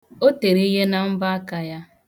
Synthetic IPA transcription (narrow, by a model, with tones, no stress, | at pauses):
o˦te˨ɾe˦i˦ɦe˦na˨m̩˦ba˦a˦ka˨ja˦